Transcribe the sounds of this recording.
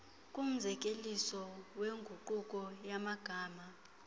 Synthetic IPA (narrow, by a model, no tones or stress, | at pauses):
kʼum̩zʱɛk̬ʼelisɔweŋɡʱuǃukʼɔjamaɡ̥ʱaːma